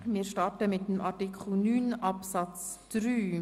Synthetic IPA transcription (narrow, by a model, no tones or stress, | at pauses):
mɪːɾʃtɑɾtəmɪt̚əmʔɑɾtikʰl̩nyːnʔɑpsɑt͡sd̥ɾyː